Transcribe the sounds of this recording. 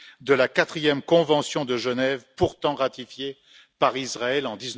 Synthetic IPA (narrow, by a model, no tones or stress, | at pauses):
d̪əlakat̪χijɛmkɔ̃vɑ̃sjɔ̃d̪əʒənɛvpuʁt̪ɑ̃ʁat̪ifje | paʁizʁaɛlɑ̃d̪iz